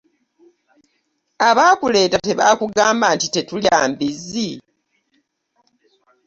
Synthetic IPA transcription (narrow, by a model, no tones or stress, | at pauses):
aβaːkule̞ːtate̞βaːkuɡaːmbaːntite̞tuljaːmbizi